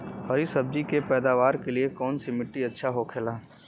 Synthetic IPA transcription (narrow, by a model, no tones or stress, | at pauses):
hɐɾisɐb̚d͡ʒikepɛːd̪aːʋaːɾkeliekɔːnsimɪʈːiɐtːʃʰaɦokʰelaː